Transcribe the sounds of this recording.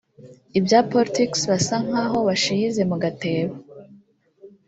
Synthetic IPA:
ibjaːpolɾitiksβasaŋ̥haɦo̞βaʃijize̞muɡate̞ːβa

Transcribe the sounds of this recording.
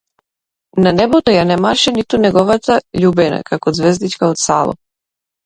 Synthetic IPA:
nanɛbɔt̪ɔjanɛmaʃɛnit̪unɛɡɔvat̪aʎubɛna̰kakɔd̪zvɛzd̪it͡ʃkaɔt̪salˠɔ̰

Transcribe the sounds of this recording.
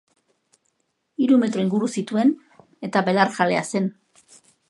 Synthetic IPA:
iɾume̞t̪ɾo̞iŋɡuɾusit̪ue̞n | e̞t̪aβe̞laɾsale̞a̰se̞n

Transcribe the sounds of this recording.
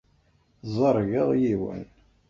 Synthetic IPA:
zˤəɾˤɣəʁjiwə̰n

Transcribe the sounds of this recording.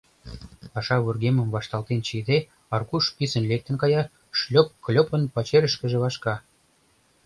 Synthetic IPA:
pɑʃɑβurɣemə̆mvɑʃt̪ɑlt̪ent͡ɕid̪e | ɑrkuʃpisə̆nlek̚t̪ə̆nkɑjɑ | ʃlʲop̚klʲopə̆npɑt͡ɕeɾə̆ʃkə̆ʒĕβɑʃkɑ

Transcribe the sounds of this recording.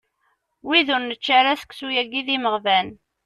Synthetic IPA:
wiðʊɾnət͡ʃːaɾæsə̥ksujæɡiðiməʁvæn

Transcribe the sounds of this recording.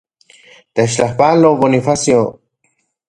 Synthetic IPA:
t̪et͡ʃt͡ɬahpaloβonifasjo

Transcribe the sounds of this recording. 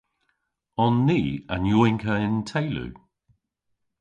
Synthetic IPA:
ɔnːiːə̰njɔːɪ̃ŋkʰəɪ̃ntʰeɪlʉ̰

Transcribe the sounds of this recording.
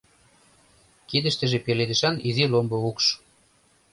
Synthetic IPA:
kid̪ə̆ʃt̪ə̆ʒĕpeled̪ə̆ʃɑnizilomboukʃ

